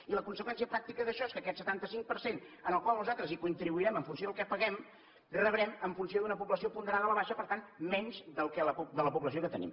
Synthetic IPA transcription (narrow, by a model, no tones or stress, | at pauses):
iləkunsəkwɛnsiəpɾak̚t̪ikəðəʃɔeskəkɛt̪sət̪ant̪əsiŋk̚pəɾsenənəlˠkwalˠnuzat̪ɾəzikunt̪ɾiβuiɾɛməɱfuns̬joðəlˠkɛpəɣɛm | rəβɾɛməɱfunsioðunəpuβləsiopund̪əɾaðələβaʃəpəɾt̪anmɛɲzðəlˠkɛləpud̪ələpuβləsiokət̪ənḭm